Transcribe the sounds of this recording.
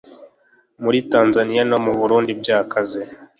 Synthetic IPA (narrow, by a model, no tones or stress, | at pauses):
muɾitaːnzanijanomuβuɾuːndib̚ɟaːkʰaze